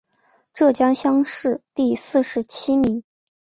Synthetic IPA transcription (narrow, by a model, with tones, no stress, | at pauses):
ʈ͡ʂɤ˥˩t͡ɕjɑ˥ŋɕjɑ˥ŋʂɻ̩˥˧t̪i˥˧sɹ̩˥˩ʂɻ̩˧˥t͡ɕʰi˥mi˧˥ŋ